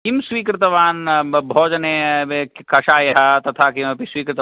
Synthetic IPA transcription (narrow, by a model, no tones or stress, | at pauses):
kimsʋiːkɾɪt̪ɐʋaːnbʱɔːd͡ʒɐneekkɐʃaːjɐɦat̪ɐt̪ʰaːkimɐpisʋiːkɾɪt̪